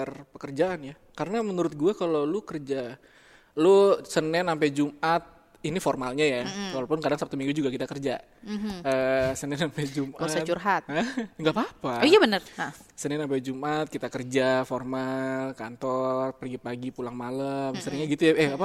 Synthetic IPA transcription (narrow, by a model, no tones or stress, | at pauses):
rpəkərd͡ʒaʔanja | kaɾənamənuɾʊt̪̚ɡuakalolukərd͡ʒa | lusənɛnampajd͡ʒumat̪̚ | inifɔrmalɲajaalopʊnkadaŋsap̚t̪umiŋɡud͡ʒuɡakit̪akərd͡ʒa̰ | əsənɛnampɛjd͡ʒumʔast̪t͡ʃurɦat̪̚əŋɡapaːpajabənərsənɛnampajd͡ʒumʔat̪̚kit̪akərd͡ʒaformalkant̪ɔrpəɡipaɡipulaŋmaləbəsəɾɲaɡit̪ujaɛapa